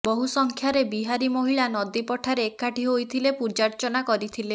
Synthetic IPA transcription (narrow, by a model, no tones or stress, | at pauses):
bɔɦusɔŋkʰjaɾebiɦaɾimoɦiɭanɔd̪ipɔʈʰaɾeːkːaʈʰiɦojt̪ʰilepuɾd͡ʒaɾt͡ʃɔnakɔɾit̪ʰile